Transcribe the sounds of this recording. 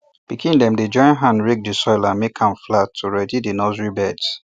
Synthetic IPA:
b̥ikʰĩndɛ̃mded͡ʒɔ̃ɪ̃nɦãnɹek̚disɔɪlãnmekʰãmflatʰːuɹɛdidinɔzɹibɛds

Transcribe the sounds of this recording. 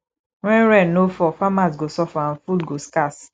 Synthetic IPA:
ŋʷɛ̃nɾɛnofɔfamas̬ɡosɔfanfulɡoskas

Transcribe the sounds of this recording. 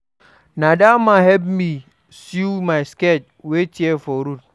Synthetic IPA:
nadamaɦɛp̚mi | sjumajsket͡ʃ | wetjefɔɾut̚

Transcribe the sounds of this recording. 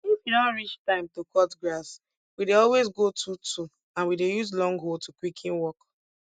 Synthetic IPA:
jifinaɹit͡ʃtãɪ̃mtukʰɔtɡɹas | wideɔlwezɡotʰutʰu | ãnwidejuzlɔ̃ŋɡɦoltʰukwikʰĩnwɔk

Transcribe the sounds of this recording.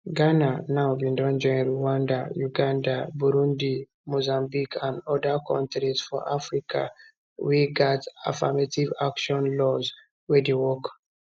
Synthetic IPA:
ɡananabĩndɔ̃nd͡ʒɔ̃ĩnɹuwãndajuɡãndabuɾũndi | mozãmbikʰãndɔdakʰɔ̰̃ntɹiz̥fɔ̰ʔafɹikʰa̰ | wiɡata̰fa̰mativakʃɔ̃nlɔz | wɛdewɔk

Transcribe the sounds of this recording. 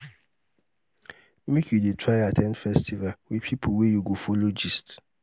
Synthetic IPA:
mĩkʰiditʰɾajatʰɛ̃nfɛstʰivawipʰipʰowejuɡofolod͡ʒist

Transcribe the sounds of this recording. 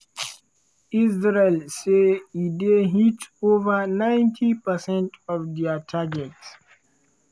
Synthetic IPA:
izɹelseideɦitovənãjntʰipəsɛ̃ntʰɔvdɛətʰaɡɛts

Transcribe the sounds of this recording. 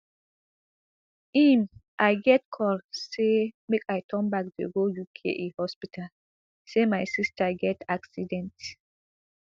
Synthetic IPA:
imʔajɡɛtkʰɔlsemekajtʰɔ̃nbakdeɡojukʰḛʔehɔspitʰal | semajsistʰaɡɛtaksidɛ̃nt

